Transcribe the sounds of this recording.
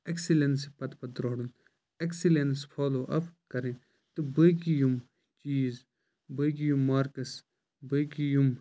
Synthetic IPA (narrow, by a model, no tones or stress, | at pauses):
eksilensipɐt̪pɐd̪ɾoːɽun | eksilenspʰoːloːʔɐpkɐɾen | t̪ubəkijum | t͡ʃiːz | bəɡijumːaɾkɐs | bəkijum